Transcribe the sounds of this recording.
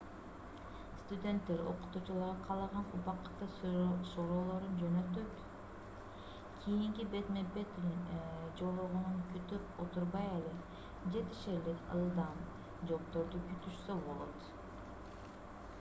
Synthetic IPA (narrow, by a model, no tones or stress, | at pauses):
st̪ud̪ʲe̞nt̪ːe̞ɾo̞̰qu̥t̪uːt͡ʃulˠɑɾʁɑqʰɑlˠɑʁɑnupɑqɯ̥t̪ːɯsoɾo̞ːlˠo̞ɾund͡ʒønø̞t̪øt̪ | kʲʰijiŋkibe̞t̪mebet̪ | d͡ʒo̞oʁununkyt̪ypo̞t̪uɾbɑjele | d͡ʒe̞t̪i̥ʃelikɯ̰lˠd̪ɑm | d͡ʒo̞pt̪o̞ɾd̪ukyt̪yʃsøbo̞lˠo̞t̪